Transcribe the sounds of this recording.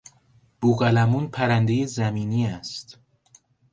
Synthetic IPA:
b̥uɣælæmunpʰæɾænd̪e̞jezæmiːniːæst̪

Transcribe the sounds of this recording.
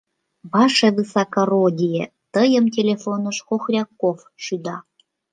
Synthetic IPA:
bɑʃeβɨsɑkɑrodʲije | t̪əjə̆mtʲelʲefonɤ̆ʃxoxrʲɑkːof | ʃyd̪ɑ

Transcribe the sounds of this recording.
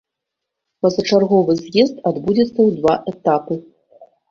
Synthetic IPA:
pɐzɐt͡ʂarɣɔvɨzʲjɛzt̪ad̪bud͡zʲɛt̪sːɐwd̪vaʔɛt̪apɨ

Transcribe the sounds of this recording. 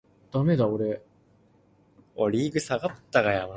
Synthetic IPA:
d̪̥ame̞d̪aoɾe | oɾʲiːɡɯ̟saɡat̪ːaɡajama

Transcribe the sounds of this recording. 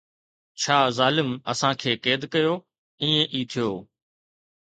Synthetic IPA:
t͡ɕʰaːzaːlɪməsãːkʰeːkeːd̪kəjoː | ĩːẽʔiːt̪ʰɪjoː

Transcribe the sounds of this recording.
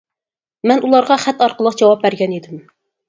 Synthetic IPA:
mɛnulˠɑɾʁɑχɛt̪ːɑɾqəlˠəqd͡ʒɑwɑp̚bæɾɡʲɛnid̪ɪm

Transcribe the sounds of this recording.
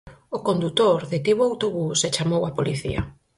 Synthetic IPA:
okond̪ut̪oɾðet̪iβoawt̪oβuset͡ʃamowapoliθḭɐ̰

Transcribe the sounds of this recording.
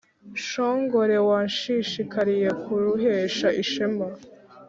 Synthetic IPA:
ʃoːŋɡo̞ɾe̞waːnʃiʃikaɾije̞kuɾuɦeːʃaʔiʃemba

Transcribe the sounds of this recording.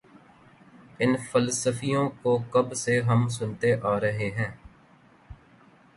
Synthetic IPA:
ɪnfəlsəfijõːkoːkəbseɦəms̬ʊnt̪eʔaːɾəɦeɦɛ̃ː

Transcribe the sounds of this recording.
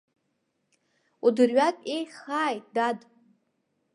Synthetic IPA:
udɨrɥatʼejχaːjtʼdad

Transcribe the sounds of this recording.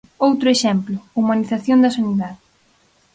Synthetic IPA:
owt̪ɾʊeʃɛmplʊumaniθaθjond̪ɐsaniðaðɪ

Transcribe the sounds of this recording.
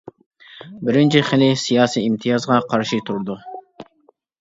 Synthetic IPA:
bɪɾɪnt͡ʃʰɪχɪlɪsijɑːsiimt̪ʰijɑzʁɑqʰɑɾʃit̪ʰuɾd̪u

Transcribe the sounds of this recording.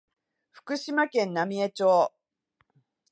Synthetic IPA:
ɸɯ̥kɯ̟ɕimakẽ̞nːamʲiet͡ɕoː

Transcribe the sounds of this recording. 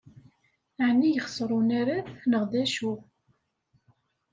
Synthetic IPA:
aʕnːijəχsˤɾˤunæɾanəʁd̪æʃu

